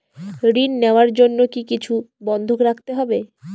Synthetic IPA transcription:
ɾinːeoaɾd͡ʑonːokikit͡ɕʰubɔnd̪ʱokɾak̚t̪eɦɔbe

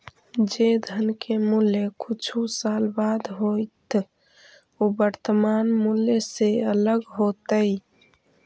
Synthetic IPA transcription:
d͡ʒed̪ʱənkemulekut͡ʃʰusalbad̪ɦojt̪ | obəɾt̪əmanmuleseələɡɦot̪əj

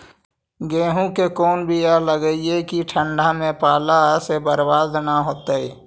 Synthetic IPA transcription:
ɡeːɦũkekɔːnbʱialəɡəiekiʈʰə̃ɳɖamẽpaːlasebəɾbaːd̪ʱnaɦoːt̪eɛː

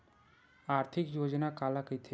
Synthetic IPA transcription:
aːɾt̪ʰɪkjoːd͡ʒnakaːlakit̪ʰe

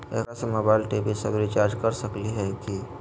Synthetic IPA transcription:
ɛ̰ːkasemoːbaːɪlʈeːbisɐbɾit͡ʃaːɾd͡ʒkɐɾsɐkliɦɛki

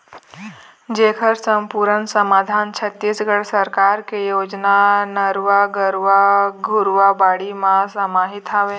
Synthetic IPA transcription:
d͡ʒekʰəɾsəmpuɾənsəmaːd̪ʱaːnt͡ʃʰət̪ːisɡəɽsəɾkaɾkejoːd͡ʒnanəɾʋaɡəɾʋaɡʱuɾʋabaːɽimãsəmaːɦit̪ɦaʋe

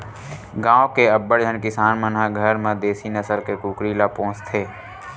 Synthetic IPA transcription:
ɡãːokeəbːəɽd͡ʒʱənkɪsaːnmənɦaɡʱəɾmẽd̪eːsinəsəlkekuːkɾilapõːt͡ʃt̪ʰeː

